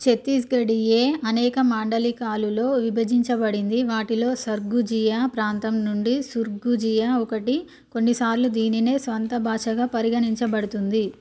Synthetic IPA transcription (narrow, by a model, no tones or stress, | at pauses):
t͡ʃe̞t̪ːisɡɐɽije̞ːɐnɛːkɐmaːɳɖɐlikaːlulo̞ːʋibʱɐd͡ʒiɲt͡ʃɐbɐɽind̪iʋaːʈilo̞ːsɐɾɡud͡ʒijapɾaːnt̪ɐmnuɳɖisuɾɡud͡ʒijaɔkɐʈi | ko̞nːisaːɾlud̪iːnine̞ːsʋɐnt̪ɐbʱaːʂɐɡaːpɐɾiɡɐniɲt͡ʃɐbɐɽut̪und̪i